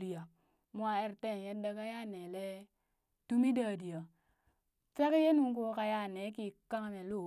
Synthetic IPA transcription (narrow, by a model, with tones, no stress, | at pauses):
li˨ja˨ | mʷ˦a˨e˦ɾte˦˨n˨je˦da˦ka˦ja˦ne˨le˦ | tu˦mi˦daː˦˨di˨ja˨ | t͡ʃa˦ke˦je˦nu˦ŋ˦ko˦ka˦ja˦˨ne˨˦ki˦ka˦ŋ˨me˨lo˦˨